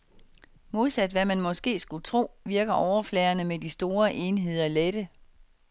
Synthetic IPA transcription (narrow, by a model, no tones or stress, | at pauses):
mo̝ðˠsæd̥ʋæmænmɒ̽sɡ̥e̝̰ːsɡ̥ut͡sʰʁo̝̰ːʋiɐɡ̥ɐʔɒʊɐflɛːɐnəmed̥isd̥o̝ːɐʔe̝ːnɦe̝ð̞̰ˠɐled̥ə